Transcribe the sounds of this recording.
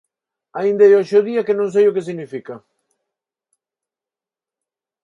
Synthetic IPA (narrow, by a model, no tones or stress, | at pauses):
aind̪ajoʃoðiakɪnõŋs̬ejʊkes̬iɣnifikɐ